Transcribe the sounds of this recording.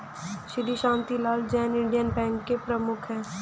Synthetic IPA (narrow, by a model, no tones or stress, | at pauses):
ʃɪd̪iʃãːnt̪ilaːld͡ʒɛːnɪ̃ɳɖijənpɛ̃ːŋkːepɾəmʊkʰɦɛ̃ː